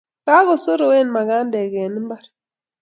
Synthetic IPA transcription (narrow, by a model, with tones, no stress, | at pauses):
ka˦ɣo˨so˦ɾo˨we˦nma˨ɡa˦ndɛ˨ɡɛ˨ni˦mba˦ɾ